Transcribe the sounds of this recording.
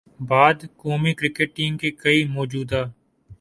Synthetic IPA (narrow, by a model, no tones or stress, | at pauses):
baːd̪koːmikɾɪkeʈ̚ʈiːŋkekɐimɔːd͡ʒuːd̪aː